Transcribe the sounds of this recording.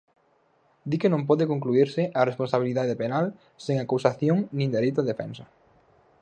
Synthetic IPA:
d̪ikenõmpɔðɪkoŋkluiɾsɪʔarespõnsaβ̞iliðaðepenal | sẽŋakusaθjoŋnĩnd̪eɾejt̪ʊðefɛ̃nsɐ

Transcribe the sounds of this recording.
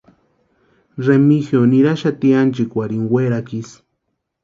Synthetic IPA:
remixjonĩɾaʃat̪iant͡ʃikʷaɾiŋɡweɾakis

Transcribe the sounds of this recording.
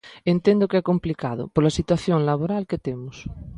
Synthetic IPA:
ẽnt̪ẽnd̪ʊkeɛkomplikaðʊ̰poɾlasit̪waθjoŋlaβ̞oɾalket̪emʊs

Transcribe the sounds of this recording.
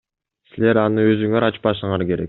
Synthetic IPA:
sile̞ɾɑnɯø̞zyŋøɾɑt͡ʃpɑʃɯɴɑɾke̞ɾe̞k̚

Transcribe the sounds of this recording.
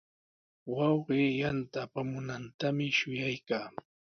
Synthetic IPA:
wɑwɢeːjant̪aːpamʊnant̪amɪʃʊjajkaː

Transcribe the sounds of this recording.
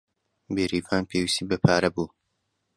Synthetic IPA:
beːɾiːvaːnpʰeːwist̪iːbɐpʰaːɾɐbuː

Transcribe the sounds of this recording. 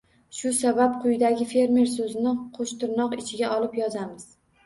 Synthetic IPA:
ʃʊsabap̚qʰʊjɪd̪aɡʲɪfe̞ɾme̞ɾs̬ɵzɪnɪqʰoʃt̪ɪɾnɒqɪt͡ʃʰɪɡʲaʔɒlˠɪpjɒzamɪz̥

